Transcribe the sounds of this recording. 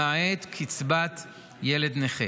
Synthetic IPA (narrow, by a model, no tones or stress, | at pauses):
aet̪kʰit͡sbat̪ | jeled̪neχe